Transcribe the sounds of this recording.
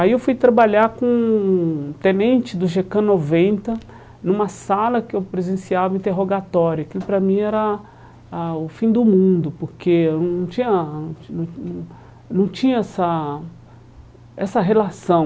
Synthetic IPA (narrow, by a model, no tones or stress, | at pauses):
aiewfujt̪ɾabaʎaɾkõ | t̪ẽnẽnt͡ʃɪd̪ʊʒekɐ̃novẽnt̪ɐ | nũmɐsalɐkɪewpɾezẽsiavɐĩt̪eɦoɡat̪ɔɾjʊakilʊpɾɐmĩɛɾɐ | aʊfĩd̪ʊmũd̪ʊpoɾkenɐ̃w̃nɐ̃w̃t͡ʃĩɲɐnɐ̃nɐ̃w̃ñ | nɐ̃w̃t͡ʃĩɲɐɛsɐ | ɛsɐɦelasɐ̃w̃